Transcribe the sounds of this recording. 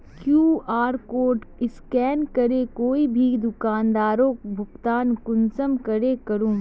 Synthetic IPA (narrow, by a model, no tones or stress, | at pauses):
kjuːaːɾkoːʈɪskɛːnkɐɾekoːibʱid̪ʊkaːnd̪aːɾõːbʱʊɡt̪aːnkʊnsəmkɐɾekɐɾũː